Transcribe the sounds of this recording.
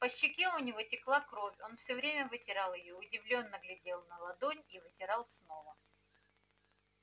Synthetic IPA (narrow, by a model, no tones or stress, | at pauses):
pəɕːɪkʲeʊnʲɪvotʲɪklˠakɾo̞fʲo̞nfsʲɵvɾʲemʲəvɨtʲɪɾalˠɪjoʊdʲɪvlʲo̞nːəɡlʲɪdʲe̞lˠnəlˠɐd̪onʲivɨtʲɪɾɑlˠsno̞və